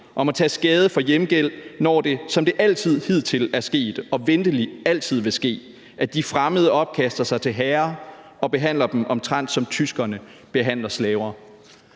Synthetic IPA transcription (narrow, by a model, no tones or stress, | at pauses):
ʔɒ̽mɒt͡sʰɛ̰ːsɡ̥ɛːð̞ˠəfɒ̽jemɡ̥el̰nɒ̰ːd̥e̝sɒ̽md̥e̝ʔæl̰t͡sʰið̞̰ˠhið̰ˠt͡sʰe̝læɐsɡ̥e̝̰ːd̥ɒ̽ʋend̥əliæl̰t͡sʰið̞̰ˠʋe̝sɡ̥e̝̰ː | ʔæd̥ifʁaməð̞ˠəɒ̽b̥̚kʰæsd̥ɐsɑ̈ɪt͡sʰe̝lɦɛːɐ | ɒ̽b̥e̝ɦæn̰lɐd̥emʔɒ̽mt͡sʰʁan̰d̥sɒ̽mt͡sʰysɡ̥ɐnə | b̥e̝ɦæn̰lɐslɛːʊɐː